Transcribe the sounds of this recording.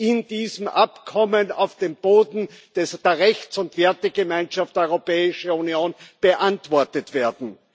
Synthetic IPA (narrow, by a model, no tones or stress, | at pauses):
ɪnd̥iːzəm̩ʔapkʰɔməna̰ʊfd̥eːmb̥oːdn̩d̥ɛsd̥eːɐʁɛçt͡sʊntv̥ɛɐtəɡəmaɪnʃaftdɔʁopɛːɪʃəunjoːnb̥əʔantv̥ɔɐtətv̥eːɐdn̩